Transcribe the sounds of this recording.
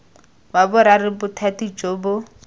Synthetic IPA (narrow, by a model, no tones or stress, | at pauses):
babʊɾarɪbʊtʰatid͡ʒoːbʊ